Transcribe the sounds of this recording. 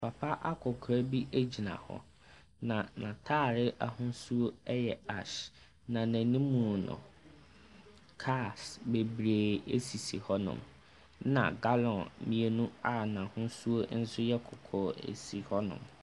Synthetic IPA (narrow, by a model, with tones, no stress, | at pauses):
pʰa˨pʰa˦ʔa˦kʰʊ˨kʰɾa˦bi˦ʔe˦d͡ʑi˨nã̰˨hɔ̰˦ | nã˨nã˨tʰaː˦˨ɾɪ˦ʔa˨hʊ̃˦n˦su˦o˦ɛ˦jɛ˨a˨ʃ | nã˨næ̃˨nĩ˦mũ˨nʊ̰̃˨ | kʰa˦˨sbe˨bɾeː˨e˦si˨si˨hɔ˦nʊ̰̃˨m | nã̰˨ɡa˦lɔ̃˨nmĩ˨e˨nũ˦a˦nã˨hʊ̃˦n˦su˦o˦n̩˦sʊ˦jɛ˦kʰɔ˨kʰɔː˦ḛ˨si˨hɔ˦nʊ̰̃˨m